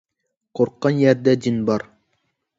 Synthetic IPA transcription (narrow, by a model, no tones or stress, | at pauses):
qʰoɾqːɑnjɛɾd̪ɛd̪inbɑɾ